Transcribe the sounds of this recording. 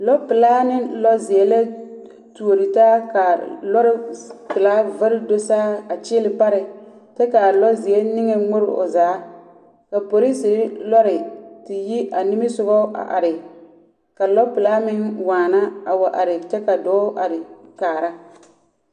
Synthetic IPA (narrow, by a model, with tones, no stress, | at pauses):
lɔ˦pɪ˨laː˦nɪ˦lɔ˦zɪ˨ɛ˨la˦ | tu˨o˨ɾi˨taː˦ka˨lɔ˦ɾɪ˦pɪ˨laː˦va˦ldo˦saː˦a˨t͡ʃɪː˦lɪ˨pa˦ɾɪ˨ | t͡ʃɛ˦ka˨lɔ˦zɪ˨ɛ˦nɪ˦ŋɛ˨ŋʊ˦ɾɪ˦o̰˨zaː˨˦ | ka˨po˨ɾi˦si˨˦lɔ˦ɾɪ˨tɪ˨ji˦ʔa˨nɪ˦mɪ˦sʊ˦ɣɔ˦ʔa̰˨ʔa̰˨ɾɪ˨ | ka˨lɔ˦pɪ˨la˦mɪ˦nwaː˨na˦a˨wa˨ʔa˨ɾɪ˨t͡ʃɛ˦ka˨dɔː˨˦ʔa˨ɾɪ˨kaː˨ɾa˦